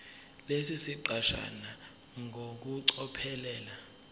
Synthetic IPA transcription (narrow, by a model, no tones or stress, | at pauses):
lesisiǃaʃa̰na | ŋok̬uǀɔpʰɛlɛːla